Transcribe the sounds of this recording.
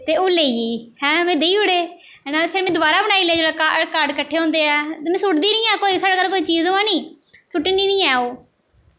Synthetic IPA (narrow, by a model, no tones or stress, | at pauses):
t̪eːoːleːiiːhɛ̃ːmɛ̃ːd̪eiːʊɽeː | naːpʰeɾmɛ̃ːd̪ʊbaːɾaːbəɽ̃aːiːleːd͡ʒeːɽaːkakaːɾɖkəʈʰːeːɦõːnd̪eːɛːt̪ːmɛ̃ːsʊʈd̪iːnĩːɛːkoːiːsaːɽaːkaːlkoːiːt͡ʃiːzõːãːnĩː | sʊʈiːniːnĩːɛːoː